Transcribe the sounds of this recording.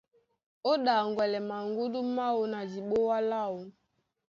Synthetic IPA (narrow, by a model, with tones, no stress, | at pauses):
o˦ɗa˨ŋɡwɛ˨lɛ˨ma˨ŋɡu˦du˦ma˦wo˨na˨d͡ʒi˨ɓo˦wa˦la˦˨o˨